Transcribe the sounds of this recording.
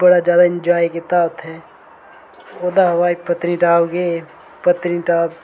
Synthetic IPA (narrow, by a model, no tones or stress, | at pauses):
bɐɽad͡ʒjaːd̪aɪ̃nd͡ʒaːikɪt̪aːbt̪ʰɦɛː | oːd̪aɦɐwaːipət̪niʈaːbɡe | pət̪niʈaːb